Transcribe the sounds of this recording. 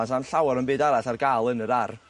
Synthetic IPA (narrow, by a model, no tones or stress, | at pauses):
asanɬawɔɾənbɨːdaɾaθarɡaːlˠənəɾar